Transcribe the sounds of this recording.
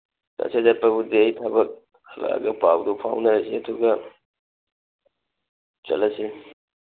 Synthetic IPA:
ka̰sedapɐbudeɐjtʰɐbɐk̚ | hɐla̰ɡɐpawdupʰawnɐɾɐsiɐduɡɐ | t͡ʃɐ̰lɐsi

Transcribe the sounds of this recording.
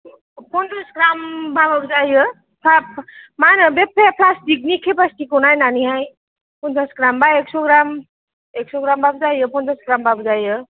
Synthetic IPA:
pʰɔnd̪ɔsɡɾambʱabʌk̚d͡zajɯ | pʰamanʌbepʰepʰlasʈik̚nikʰepasʈikunajnaniɦaj | pʰunt̪asɡɾambaeksoɡɾam | eksoɡɾambʱab̚d͡zajɯpʰɔnd̪ɔsɡɾambʱabzajɯ

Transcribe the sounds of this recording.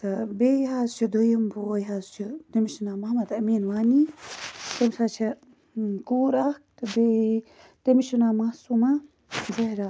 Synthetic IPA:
t̪ɐbejɦaːzt͡ʃʰud̪ojɐmbojɦaːzt͡ʃʰut̪ɐmiʃinaːmɐɦmɐd̪ɐmiːnʋaːni | t̪emsaːt͡ʃʰɐ | kuːɾaːkt̪ɐbe | t̪ɐmiʃunaːmasuma | zɐɦɾaː

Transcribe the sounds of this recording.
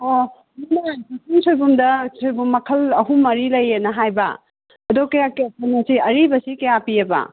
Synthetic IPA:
o | nunɐsasʰiŋsojbumdɐsojbumːɐkʰɐlɐɦumɐɾilɐjenɐɦajbɐ̰ | ɐdokɐjakiɐsanɐsiɐɾibɐsikɐjapiɐbɐ̰

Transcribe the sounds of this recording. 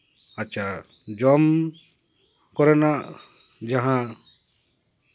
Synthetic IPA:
at͡ʃʰa | d͡ʒɔm | kɔɾɛnaʔ | d͡ʒaɦã

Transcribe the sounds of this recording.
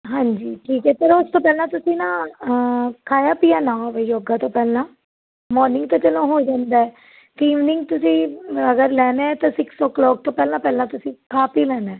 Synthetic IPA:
ɦãːɲd͡ʒiːʈʰiːkɛːp̪eɾʊst̪õːpɛːlãːt̪ʊsĩːnãː | kʰaːjaːpiːaːnãːʋeːjoːɡaːt̪õːpɛːlãː | mɔːɾnɪ̃ŋɡt̪õːt͡ʃəlõːɦoːid͡ʒãːnd̪aːɛː | t̪iːʋnɪ̃ŋɡt̪ʊsĩːəɡəɾlɛːneːɛt̪ãːsɪksɔːklɔːk̚t̪õːpɛːlãːpɛːlãːt̪ʊsĩːkaːpiːlɛːnɛː

